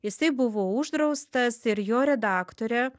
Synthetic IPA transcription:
jɪsɐɪbʊʋoːʊʒd̪ɾɐʊst̪ɐsɪɾjoːɾʲɛd̪ɑːkt̪oːɾʲɛ

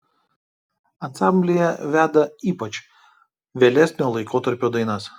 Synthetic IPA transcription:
ɐnsɑˑmʲbʲlʲɪjɛʋʲæːd̪ɐiːpɐt͡ʃʲ | ʋʲeːlʲɛsʲnʲoːlˠɐɪkoːt̪ɐɾʲpʲoːd̪ɐɪnɐs

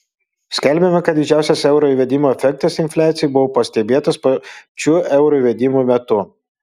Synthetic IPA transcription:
sʲkʲɛlʲbʲemʲɛkɐt̪̚d̪ʲɪd͡ʒʲæˑʊsʲɛsɛʊɾoːiʋʲɛd̪ʲɪmoːɛfʲɛk̚t̪ɐsɪnʲfʲlʲæːt̪sʲɪjubʊʋoːpɐsʲt̪ʲɛbʲeːt̪ɐspot͡ʃʲuːʔɛʊɾoiʋʲɛd̪ʲɪmuːmʲɛt̪ʊ

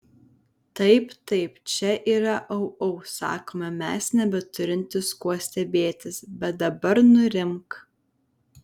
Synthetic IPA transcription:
t̪ɐɪpt̪ɐɪpt͡ʃʲɛʔiːɾɐʔɐʊɐʊsɑ̰ːkoːmɛmʲɛsnʲɛbʲɛt̪ʊɾʲɪnʲt̪ʲɪskuɔsʲt̪ʲɛbʲeːt̪ʲɪsbʲɛt̪̚d̪ɐbɐɾnʊɾʲɪmk

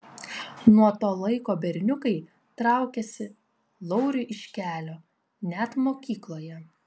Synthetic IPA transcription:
nuɔt̪oːlˠɐɪkoːbʲɛɾʲnʲʊkɐɪ | t̪ɾɑˑʊkʲɛsʲɪ | lˠɔʊɾʲʊʔɪʃʲkʲæːlʲoː | nʲæt̪moːkʲiːklˠoːjɛ

